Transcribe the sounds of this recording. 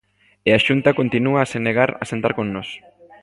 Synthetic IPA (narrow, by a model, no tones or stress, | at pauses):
eaʃunt̪ako̞nt̪inuaseneɣ̞aɾa̰se̞nt̪aɾkonːos